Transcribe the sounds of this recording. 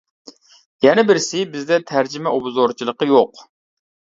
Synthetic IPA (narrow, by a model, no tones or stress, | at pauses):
jɛnɪbɪɾsɪbɪzd̪ɛt̪ʰæɾd͡ʒɪmɛʔobzoɾt͡ʃʰilˠəqəjoq